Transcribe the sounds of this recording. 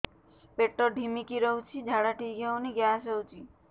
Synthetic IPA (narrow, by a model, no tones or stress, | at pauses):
peʈːɔɖʱimikiɾɔwt͡ʃʰid͡ʒʱaɽaʈiɡʱawniɡjasəwt͡ʃʰi